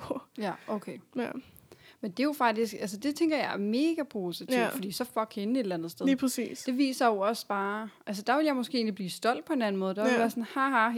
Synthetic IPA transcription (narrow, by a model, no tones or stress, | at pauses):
jæʔokʰe | mend̥e̝jo̝fɑ̈ɡ̥̚d̥isɡ̥æls̬əd̥e̝t͡sʰeŋ̰ɡ̥ɐjɑ̈ɪæɐme̝ːɡ̥æpʰo̝sit͡sʰḭdffɒdḭːsɒ̽fɒ̥kʰenəe̝d̥elænð̩ˠsd̥eðˠpʰʁɐsḭːsd̥e̝ʋḭːsɐjoɒ̽sb̥ɑ̈ːʔæls̬əd̥ɑ̈ʋe̝ljɑɪmɒ̽sɡ̥e̝ʔe̝̰ːnlibliːsd̥ɒ̽l̰d̥̚pʰɒ̽e̝næn̩mɔ̽ːð̩ˠd̥ɑeʋæːɐsɒ̽nhɑhɑ